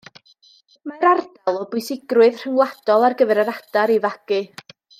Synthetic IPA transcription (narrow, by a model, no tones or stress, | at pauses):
maɾardalˠɔbʊɨsɪɡrwɨð̥r̥əŋlˠad̥ɔlˠarɡəvɛɾəɾad̥aɾivaɡ̥ɨ